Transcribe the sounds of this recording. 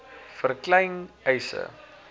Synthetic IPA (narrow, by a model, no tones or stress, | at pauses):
fərklɛjnɛjsə̰